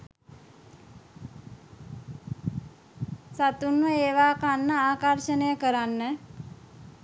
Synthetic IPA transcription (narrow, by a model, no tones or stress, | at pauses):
sat̪unʋəeːʋaːkanːəaːkəɾʃənejəkəɾanːə